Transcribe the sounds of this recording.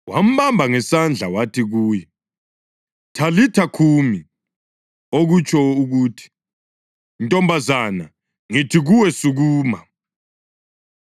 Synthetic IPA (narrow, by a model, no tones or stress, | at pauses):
wa̰m̩βambʱaŋɛsand͡ɮʱawatʰiɣuːjɛ | tʰalitʰakʰumi | oɣut͡ʃʼʰɔuɣuːtʰi̥ | ntʼɔmbʱazana̰ | ŋitʰiɣuwɛsuɣuːma